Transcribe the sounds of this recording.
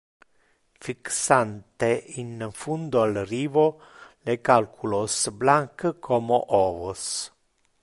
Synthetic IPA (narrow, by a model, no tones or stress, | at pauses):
fiksant̪einfund̪oalriːvolekalkʰulosblaŋkkʰomoʔoːvos